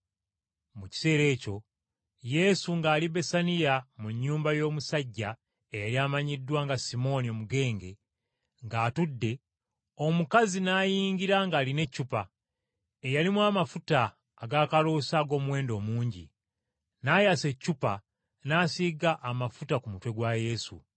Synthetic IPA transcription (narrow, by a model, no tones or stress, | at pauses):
muci̥se̞ːɾe̞ːco̞ | je̞suŋɡaːlibe̞sanijamuɲːuːmbajo̞ːmusaɟːa | ejaliaːmaɲidːwaːŋɡasimo̞nio̞muɡe̞ːŋɡe̞̰ | ŋɡaːtudːe̞ | o̞mukazinaːjiːŋɲɡiɾaŋɡaːline̞cːupa | ejalimwaːmafutaː | ɡaːkalosaɡo̞ːmuwe̞ːndo̞ːmuːɲɟḭ | najase̞cːupa̰ | naːsiɡaʔːmafutakumutwe̞ɡwaje̞sṵ